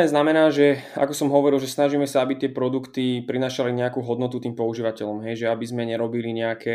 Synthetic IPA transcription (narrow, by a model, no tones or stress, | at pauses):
ɲɛznamɛnaːʒɛa̰kɔsɔmɦɔʋɔɾilˠʒɛsnaʒiːmɛsaabit̪ɪɛpɾɔd̪ukt̪ipɾinaːʃaliɲɛakuːɦɔd̪nɔt̪ut̪iːmpɔuʒiːʋacɛʎɔmɦɛjʒɛabizmɛɲɛɾɔbiliɲɛakʰɛ